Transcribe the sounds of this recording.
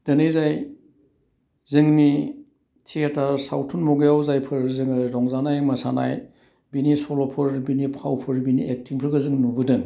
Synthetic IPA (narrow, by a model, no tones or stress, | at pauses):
d̥ɐnɯjzaj | zɯŋni | tʰietaɾsa̰wtʰunmɔɡajawzajpʰɯɾzɯŋɯɾɔŋzanajmɐsana̰j | binisɔlɔpʰɯɾbinipʰawpʰɯɾbinḭʔek̚tʰiŋpʰɯɾɡɯzɯŋnubɯdɯŋ